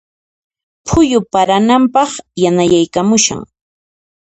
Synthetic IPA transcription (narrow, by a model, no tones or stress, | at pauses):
pʰʊjʊpaɾanampɑχjanajajkamʊʃa̰ŋ